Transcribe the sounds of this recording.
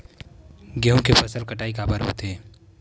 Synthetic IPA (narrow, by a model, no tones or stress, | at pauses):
ɡeɦũkepʰəsəlkəʈaːikapəɾɦot̪eː